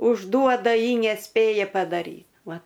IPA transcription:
ʊʒˈduɔdɐ ˈjɪ nʲɛˈsʲpʲeːjɛ pɐdɐˈrʲiː ˈʋɐ

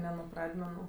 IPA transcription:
nʲɛ nʊ ˈprɑːdʲmʲɛnʊ

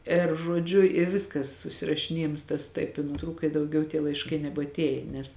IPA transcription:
ɪr ʒuɔˈd͡ʒʲʊ ɪ ˈʋʲɪskɐs sʊsʲɪrɐʃʲɪˈnʲiɛjɪms tɐs ˈtɐɪp ɪ nʊˈtruːkɐ ɪ dɐʊˈɡʲɛʊ tʲiɛ lˠɐɪʃˈkɐɪ nʲɛbɐtʲˈeːjeː nʲɛs

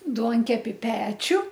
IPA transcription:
ˈduɔŋʲkʲɛpʲɪ ˈpʲæːt͡ʃʲʊ

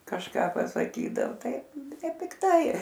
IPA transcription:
kɐʃˈkɐ pɐsɐˈkʲiːdɐoː ˈtɐɪ nʲɛpʲɪkˈtɐɪ

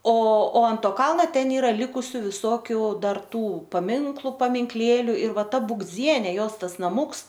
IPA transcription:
oː oː ɐnt ˈtoː ˈkɐlˠnɐ ˈtʲɛn ˈiːrɐ ˈlʲɪkʊsʲʊ ʋʲɪˈsoːkʲʊ ˈdɐr ˈtuː pɐˈmʲɪŋklˠʊ pɐmʲɪŋkˈlʲeːlʲʊ ɪr ˈʋɐ ˈtɐ buːɡˈd͡zʲiɛnʲeː ˈjoːs ˈtɐs nɐˈmuːks

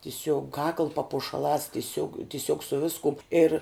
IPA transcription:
tʲɪˈsʲoːk kɐklˠ pɐpʊʃɐˈlˠɑːs tʲɪˈsʲoːk tʲɪˈsʲoːk sʊ ˈʋʲɪskʊm ɪr

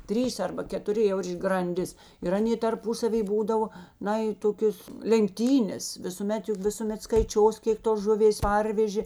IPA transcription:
ˈtʲrʲiːs ˈɐrbɐ kʲɛtʊˈrʲɪ jɛʊ ɪr ɡrɐnʲˈdʲɪs ɪr ˈɑːnʲeː tɐrˈpʊsɐʋʲiː ˈbuːdɐʋoː ˈnɐ ɪ ˈtoːkʲoːs lʲɛŋkˈtʲiːnʲeːs ʋʲɪsʊˈmʲɛt ˈjʊk ʋʲɪsʊˈmʲɛt skɐɪˈt͡ʃʲoːs ˈkʲeːk toːs ˈʒʊˌʋʲeːs ˈpɐrʲʋʲɛʒʲeː

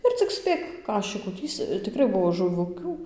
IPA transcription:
ɪr t͡sʲɪk ˈsʲpʲeːk ˈkɑːʃʲɪkuː ˈtʲiːst͡s tʲɪˈkrɐɪ ˈbʊʋoː ʒʊˈʋʊkʲuː

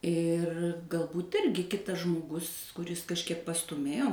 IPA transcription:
ɪr ɡɐlˠˈbuːt ˈɪrʲɡʲɪ ˈkʲɪtɐs ʒmoːˈɡʊs kʊˈrʲɪs kɐʃʲˈkʲiɛk pɐstuːˈmʲeːjoː

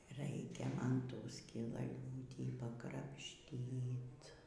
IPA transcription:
ˈrɐɪkʲɛ ˈmɐn ˈtuː sʲkʲɪlˠɐlʲˈuːtʲiː pɐkrɐpʲˈʃʲtʲiːt

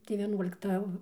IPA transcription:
tɐɪ ʋʲiɛˈnuɔlʲɪktɐ

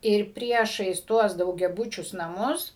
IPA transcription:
ɪr ˈpʲrʲiɛʃɐɪs ˈtuɔs dɐʊɡʲɛˈbʊt͡ʃʲʊs nɐˈmʊs

